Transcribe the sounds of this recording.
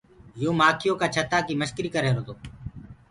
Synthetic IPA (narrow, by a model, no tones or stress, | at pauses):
joːmaːkʰɪjoːkaːt͡ʃʰət̪aːkiːməʃkɾiːkəɾeːɾoːt̪oː